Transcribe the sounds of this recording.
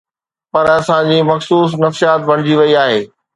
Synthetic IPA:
pɐɾɐsãd͡ʑiːmɐxsuːs̬nɐfsijaːt̪ʋɐɽ̃ɪd͡ʑiʋɐiaːɦeː

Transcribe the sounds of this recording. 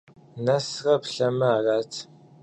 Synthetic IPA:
nɐsʁɐpɬɐmɨaːraːtʰ

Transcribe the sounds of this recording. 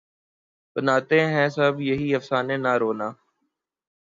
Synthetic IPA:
bənaːt̪ẽːɦɛ̃ːsəbjəɦiːəfsaːnẽːnaːɾoːnaː

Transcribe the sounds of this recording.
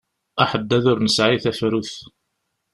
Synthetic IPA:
æħəd̪ːæðʊɾnəsʕiθæfɾuθ

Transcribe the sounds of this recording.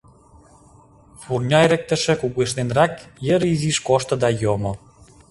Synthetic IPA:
furnʲɑeɾĕk̚t̪ə̆ʃə̆kuɣeʃnenrɑkjəɾiziʃkoʃt̪ɤ̆d̪ɑjomɤ̆

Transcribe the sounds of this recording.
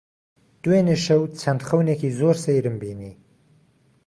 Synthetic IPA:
d̪̥uweːneʃɐwt͡sʰɐnd̪xɐwneːkiːzoːɾsɐjɾɨmbiːniː

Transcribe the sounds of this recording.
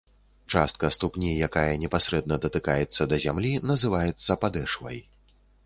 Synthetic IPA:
t͡ʂa̰st̪̚kɐst̪upnʲijakajɐnʲɛpasʲɾɛd̪nɐd̪ɐt̪ɨkajɛt̪sːɐd̪ɐzʲamlʲinɐzɨvajɛt̪sːɐpad̪ɛʂvɐ̰j

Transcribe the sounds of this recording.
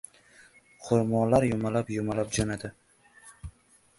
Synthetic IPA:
qʰʊɾmɒnlaɾjʊmalapjʊmalap̚d͡ʒanad̪ɪ

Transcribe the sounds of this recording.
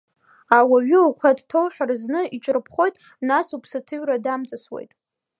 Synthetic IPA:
awaɥɪukʷʰadtʰowħᶣarznɨit͡ʃʼrɨpʰχo̞jtʼ | nasupʰsɨtʰɨɥradamt͡sʼɨswḛjtʼ

